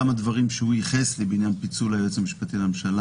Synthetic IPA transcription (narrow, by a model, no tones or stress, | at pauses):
amad̪vaʁimʃeujiχeslebinjanpit͡sulajot͡samiʃpat̪ilamʃala